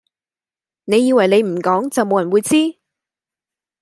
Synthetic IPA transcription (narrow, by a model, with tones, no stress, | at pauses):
ne˨˧jːiː˧wɐ˨˩jne˨˧jm̩˨˩kɔː˨˥ŋt͡sɐ˨wmo˨˧wjɐ˨˩wuː˨˧jt͡siː˥